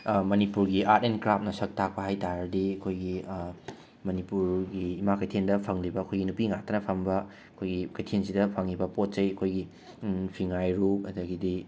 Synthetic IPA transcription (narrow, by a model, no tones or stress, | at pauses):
mɐnipuɾɡiʔatenkɾap̚nɐsɐk̚tʰak̚pɐɦajtaɾɐdiɐkʰojɡi | mɐnipuɾɡiːmakɐjtʰendɐpʰɐŋlibɐːkʰojɡinupiŋatʰɐnɐpʰɐmbɐ | ɐkʰojɡikɐjtʰensidɐpʰɐŋːibɐpot̚t͡ʃɐjɐkʰojɡi | pʰiŋajɾupɐdɐɡidi